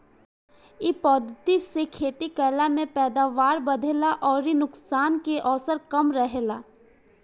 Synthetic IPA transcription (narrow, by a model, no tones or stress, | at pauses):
ɪpɔːd̪ʱːət̪isekʰeːt̪ikɛːlamẽpɛːd̪aːʋaːɾbəd̪ʱeːlaʔɔːɾinʊksaːnkeʔɔːsəɾkəmɾəɦelaː